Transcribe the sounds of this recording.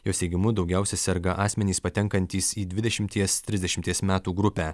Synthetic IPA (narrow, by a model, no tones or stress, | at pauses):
joːsʲɛɪɡʲɪmʊd̪ɒʊɡʲɛˑʊsʲɛsʲɛɾɡɐʔɑːsʲmʲɛnʲiːspɐt̪ʲɛŋkɐnʲt̪ʲiːsiːd̪ʲʋʲɪd̪ʲɛʃʲɪmʲt̪ʲiɛst̪ʲɾʲɪzd̪ʲɛʃʲɪmʲt̪ʲiɛsmʲæːt̪uːɡɾʊpʲæː